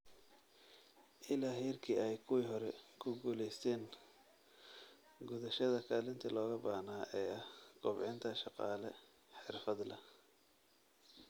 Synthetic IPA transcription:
ʔɪlaːɦɛːrkʰiːɛjkʰʊwiːɦɔɾɛkʰʊɡuːlɛjst̪ʰɛːŋ | ɡʊðɐʃɐðɐkʰaːlɪnt̪ʰɐlɔːɣɐbahnaːʔɛːɐhɡ̥ʊbʕɪnt̪ʰɐʃɑqɑ̰ːlɛ | ħɪrfɐd̪lɐ

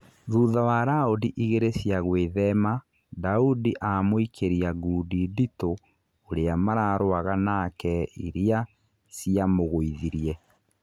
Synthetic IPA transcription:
ðuːðawaɾaudiʔiɣeɾesjaɣweðɛma | daudiʔamoikʰeɾiaɡuːdidito | oɾeamaɾaːɾoaɣanakɛiɾea | siamoɣoiðiɾiɛ

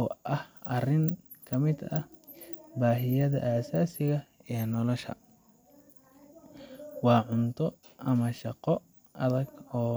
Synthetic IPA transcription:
ɔːʔɐhɐrɪŋ | kʰɐmɪd̪ɐh | baːɦɪjɐðɐ̰ʔaːsaːsɪɣɐɛːnɔlɔʃɐ̰ | wɑːʕʊnt̪ʰɔ | ʔɐmɐʃɑqɔ | ʔɐðɐɡɔː

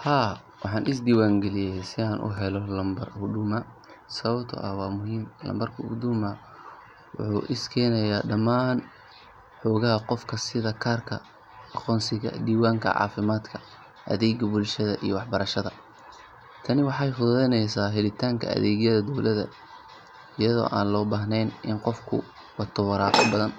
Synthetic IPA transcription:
haː | wɑħɑːnʔɪsd̪iːwaːŋɡɛlɪjɛjsɪaːnʔʊ̰ɦɛlɔlɐmbɐrhʊɖ̪ʊmɐ | sɐβɐbt̪ʰʊ̰ʔɐwɑːmʊɦiːmlɐ̰mbɐrkʰɐʊd̪ʊmɐ | wʊ̰ħṵːʔɪskʰɛjnɐjaːɖɐmaːn | ħɔːɣɐɦɐqɔfkʰɐsɪðɐkʰaːrkʰɐ̰ | ɑqɔːnsɪɣɐ̰d̪iːwaːŋkʰɐ̰ʕɑ̰ːfɪmaːd̪kʰɐ̥ | ʔɐ̰ðɛːɡɐbʊlʃɐðɐ̰ʔḭjɔwɑħbɐɾɐʃɐðɐ | t̪ʰɐnɪwɑħɑjfʊððɛjnɛjsaːɦɛlɪt̪ʰaːŋkʰɐ̰ɐ̰ðɛːɣjɐðɐd̪ɔwlʔɐðɐ̰ | ɪjɐðɔ̰ːʔa̰ːnlɔːbaːɦnɛjnʔɪnqɔfkʰʊ̰ | wɑt̪ʰɐwɑɾaːqɔbɐðɐn

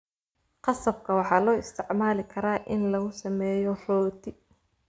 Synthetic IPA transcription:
qɑsɐb̚kʰɐwɑħɑːlɔːɪst̪ʰɪʕmaːlɪkʰɐɾaːʔɪnlɐɣʊsɐmɛːjɔrɔːt̪ʰɪ

